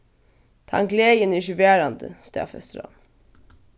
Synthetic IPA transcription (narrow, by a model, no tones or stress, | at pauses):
t̪ʰɑ̰ŋkleːjəniʃʉʋeːɾɑnd̪ə̰st̪ɑ̰ːfœ̰st̪əɾɑ̰n